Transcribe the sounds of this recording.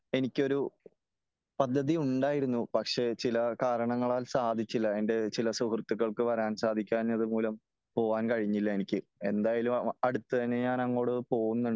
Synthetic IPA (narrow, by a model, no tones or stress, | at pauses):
e̞nikʲːo̞ɾu | pɐd̪ʱːɐðiuɳɖaːjiɾunːupɐkʂe̞t͡ɕilɐkaːɾɐɳɐŋːɐɭaːlsaːd̪ʱit͡ɕːilːɐenɖe̞t͡ɕilɐsuɦrt̪ːuɣːɐɭkɨʋɐɾaːnsaːd̪ʱikʲːaːnɐðɨmuːlɐm | po̞ːʋaːnkɐɻiɲːilːɐenikʲːɨe̞nd̪aːjalumɐɽut̪ːɨt̪ɐnːe̞ɲaːnɐŋːo̞ːɽɨpo̞ːɣunːuɳɖ